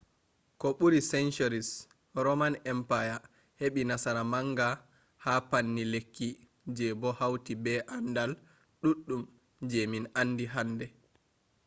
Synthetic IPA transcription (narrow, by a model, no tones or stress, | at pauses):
kɔɓuɾisɛnt͡ʃɔɾis | ɾɔmanɛmpaja | heɓinasaɾamaŋɡa | hapanːilekːi | d͡ʒɛbɔhawtibɛʔandal | ɗuɗːum | d͡ʒɛminanːdiɦandɛ